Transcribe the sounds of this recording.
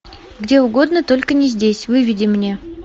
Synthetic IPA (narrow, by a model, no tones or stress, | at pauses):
ɡdʲe̞ʊɡo̞d̪nət̪o̞lʲkənʲɪzʲdʲesʲvɨvʲɪdʲɪmnʲe̞